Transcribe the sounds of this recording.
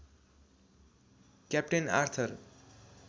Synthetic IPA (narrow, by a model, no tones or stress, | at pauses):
kjap̚ʈena̰rt̪ʰʌr